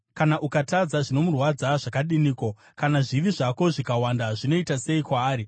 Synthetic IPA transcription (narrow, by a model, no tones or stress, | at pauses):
kanaʔukatad͡zaʐino̞murwad͡zaʐakaɗiniːko | kanaʐiʋiʐako̞ʐikawandaʐino̞itase̞ikwaːɾi